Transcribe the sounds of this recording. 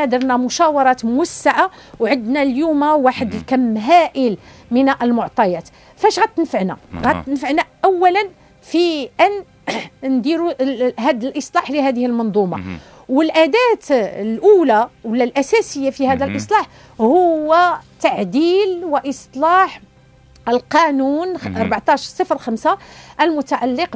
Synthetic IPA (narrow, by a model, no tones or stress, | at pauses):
æd̪əɾˤnæmʊʃæwɑɾˤɑt̪mʊwæsːaʕawʕəd̪næljumawaħəd̪əlkæmːɦæʔəlmənʔəlmʊʕt̪ˤɑjæt̪ | fæʃɣæt̪ːənfəʕnæ̰ɣæənfəʕnæʔæwːælən | fiʔæn | nd̪iɾuɦæd̪əlʔəsˤlɑħliɦæd̪əhəlmɑnd̪ˤumɑ̰ | wəlʔæd̪æt̪lʔulæwəlːælʔæsæsəjːafihæd̪ælʔəsˤlɑħ | hʊwːæt̪aʕd̪ilwəʔəsˤlɑħ | əlqɑnunɑɾˤbaʕt̪ˤɑʃɾsˤəfɾəlxæmsaʔəlmʊt̪aʕalːəq